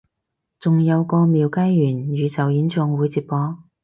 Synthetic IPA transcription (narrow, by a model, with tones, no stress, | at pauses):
t͡sʊ˨ŋjɐ˨˧wkɔː˧miː˨˧wkaː˥jːyː˨˩njyː˨˧t͡sɐ˨˩wjiː˨˥nt͡ʃɔ˧ŋwuː˨˥jt͡siː˧p̚pɔː˨˥